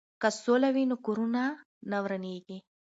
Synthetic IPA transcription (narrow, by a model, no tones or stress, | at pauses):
kɐsoːlɐʋiːnukuɾunaː | nɐʋɾɐniːɡe